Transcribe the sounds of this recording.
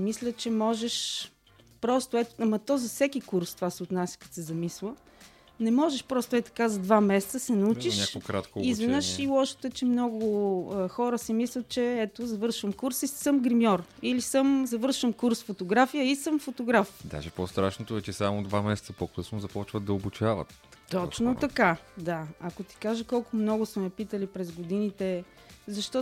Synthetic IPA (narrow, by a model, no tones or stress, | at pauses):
mislʲət͡ʃɛmɔʒɛʃ | pɾɔst̪ʊɛt̪ʊ̥amɐt̪ɔzɐfsɛkikuɾst̪ovasɛot̪nasʲə̥kɐ̥t̪sɛzɐmislˠə | nɛmɔʒɛʃpɾɔst̪ʊɛt̪ɐ̥kazɐd̪vamɛsɛt̪səsɛnɐut͡ʃiʃnʲakkɾat̪koizvɛnəʃilˠɔʃə̥t̪ət͡ʃɛmnɔɡʊəxɔɾəsimislʲət̪̚t͡ʃɛɛt̪ʊzɐvɤɾʃvəmkuɾsisəmɡɾimʲjɔɾilisəmzɐvɤɾʃəmkuɾsfot̪oɡɾafijəisəmfot̪oɡɾafd̪a̰ʒɛpost̪ɾaʃnot̪oɛt͡ʃɛsamod̪vamɛsɛt̪səpokɤsnʊzɐpɔt͡ʃvəd̪̚ɐobut͡ʃavə̰t̪ | t̪ɔt͡ʃnot̪ɐkad̪aɐkot̪i̥kaʒəkɔlˠkʊmnɔɡʊsmɛɐpit̪əlipɾɛzɡod̪init̪ɛ | zɐʃt̪ɔ